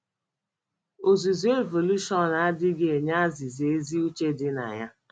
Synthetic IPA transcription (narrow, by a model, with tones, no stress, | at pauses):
o˨zu˨ze˦vo˨lu˦ʃɔ˦n˨a˦dɪ˦ɡe˨ɲa˦a˦zi˨zi˨e˦zi˦u˦t͡ʃe˦dɪ˦na̰˨ɲa˦